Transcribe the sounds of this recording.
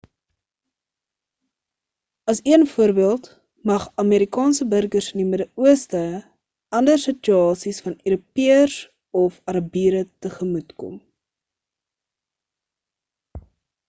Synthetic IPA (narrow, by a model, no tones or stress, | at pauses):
ɐsiənfuəɾbiəlˠt | mɐχɐmeːɾikɑːnsəbərɡərsənimədəuəstə | ɐndərsət͡ʃyɑːsisfɐnøɾupiəs | ɔfɐɾɐbiːɾətəχəmutkɔ̰m